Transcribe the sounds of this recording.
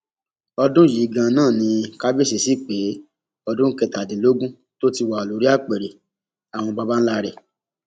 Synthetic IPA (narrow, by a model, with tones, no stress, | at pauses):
ɔ˧dũ˦ji˨˦ɡã˧nãː˦˨nĩ˧ka˦be˦˨si˨si˨˦˨k͡pe˨˦ | ɔ˧dũ˦kɛ˦˧˨ta˨dĩ˨˦lo˦ɡũ˦ | to˦ti˧wa˨o˨lo˨˦ɾi˦a˦˨k͡pe˨ɾe˨ | a˨w̃ɔ̃˧ba˧ba˦n̩˦la˧˦˧ɾɛ˨